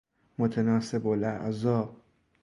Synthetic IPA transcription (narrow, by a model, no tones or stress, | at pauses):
mot̪ʰenɒːsebolʔæʔzɒːb